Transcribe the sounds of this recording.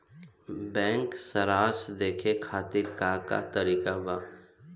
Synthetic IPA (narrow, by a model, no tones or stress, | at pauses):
bɛ̃ːŋksəɾaːsd̪eːkʰekʰaːt̪ɪɾkaka̰t̪əɾiːkabaː